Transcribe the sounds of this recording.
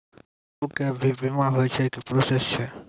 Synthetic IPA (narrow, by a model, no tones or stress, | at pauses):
ũkebʱibʱimãɦojt͡ʃʰɛkipɾosest͡ʃʰɛ